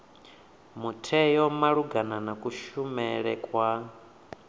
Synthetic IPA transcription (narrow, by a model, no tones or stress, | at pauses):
mutʰɛjɔmaɺuɡananakʼuʃumɛɺɛkʼwa